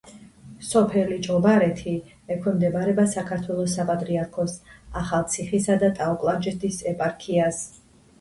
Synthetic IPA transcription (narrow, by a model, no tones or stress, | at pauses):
sɔpʰɛlid͡ʒʼɔbaɾɛt̪ʰi | ɛkʰwɛmd̪ɛbaɾɛbasakʰaɾt̪ʰwɛlˠɔsːapʼat̪ʼɾiaɾkʰɔsaχalˠt̪sʰiχisad̪at̪ʼaɔkʼlˠad͡ʒɛt̪ʰisɛpʼaɾkʰias